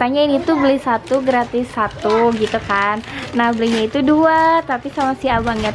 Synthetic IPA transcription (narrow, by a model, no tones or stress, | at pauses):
t̪aɲainit̪ublisat̪uɡɾat̪ɪsːat̪uɡit̪ukanːahbəlihɲait̪uduat̪apisamasiabaŋa